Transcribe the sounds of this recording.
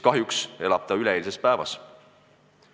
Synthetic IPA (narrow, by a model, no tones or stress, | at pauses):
kɑɦjukse̞lɑb̥̚t̪ɑyleeːlisespæevɑ̰s